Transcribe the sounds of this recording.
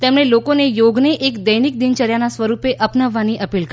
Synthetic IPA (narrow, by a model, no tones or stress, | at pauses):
t̪emɽ̃elokonejoɡneʔekd̪əjnik̚d̪int͡ʃəɾjanasʋəɾupeʔəpnəʋːaniʔəpilkə